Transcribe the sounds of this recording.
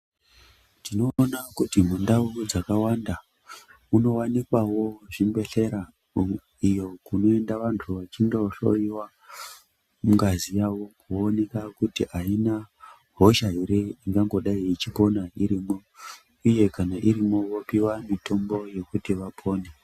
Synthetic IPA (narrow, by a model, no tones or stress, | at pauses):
tino̞ːnakutim̤undaud͡zakawanda | uno̞wanikwawo̞ʐimbe̞ɬe̞ɾa | ijo̞kuno̞e̞ndaʋantʰuʋat͡ʃindo̞ɬo̞̰iwa | muŋɡazijaʋo̞kuːne̞kakutiʔaina | ɦo̞ʃaiɾeiŋɡaŋɡo̞ɗaiːt͡ʃipo̞naiɾimo̞ | uje̞kanaʔiɾimo̞ʋo̞piwamitʰo̞mbo̞je̞kutiʋapʰo̞ːne